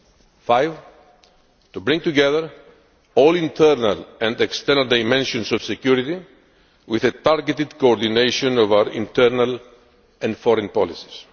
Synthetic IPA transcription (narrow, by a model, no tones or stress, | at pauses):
fajv | t̪ubɾĩŋt̪uɡɛðəɾ | olĩnt̪ʰɛɾna̰lɛ̃ndekst̪ɛɾnald̪ajmɛ̃nʃõnsɔv̥sekjuɾit̪i | wiðet̪aɾɡet̪id̪koːɾd̪inejʃõnɔvaʊəɾḭ̃nt̪ɛɾnal | ɛ̃ndfɔɾɛ̃npɔlisi̥s